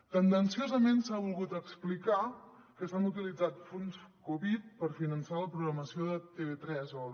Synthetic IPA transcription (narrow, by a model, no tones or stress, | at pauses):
t̪ənd̪ənsiozəmensaβulˠɣut̪əksplika | kəsanut̪ilid͡zat̪funskuβit̪̚pəɾfinənsaləpɾuɣɾəməsioðət̪eβet̪ɾɛzɔ